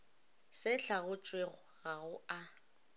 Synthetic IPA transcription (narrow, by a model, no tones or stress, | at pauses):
sɪɬaɣʊt͡ʃʼweɣɔɣaɣʊa